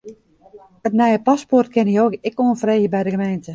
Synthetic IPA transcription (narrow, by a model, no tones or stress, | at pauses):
ətnɛjəpasport̚kʰɪnioːkɪkoənfreːɣəbɛjdəɡəmeːntə